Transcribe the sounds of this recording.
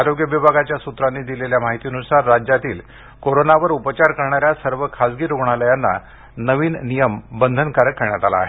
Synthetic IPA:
aɾoɡjəʋibʱaɡat͡ɕjasut̪ɾanːiːd̪ileljamaɦit̪iːnusaɾːad͡ʑjat̪iːl | koɾonaʋəɾupət͡ɕaɾkəɾɳaɾjasəɾʋəkʰad͡zɡiːɾoɡɳ̃aləjanːa̰ | nəʋiːnnijəmbənd̪ʱənkaɾəkːəɾɳjat̪ala̰ːɦe

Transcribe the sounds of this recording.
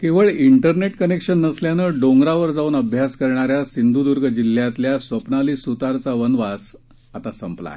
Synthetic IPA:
keʋəɭiɳʈəɾneʈkənekɕənːəsljanəɖoŋɡɾaʋəɾd͡zauːnəbʱjaskəɾɳaɾjasind̪ʱud̪uɾɡəd͡ʑilːjat̪ljasʋəpnaliːsut̪aɾt͡saʋənʋas | at̪asəmpla̰j

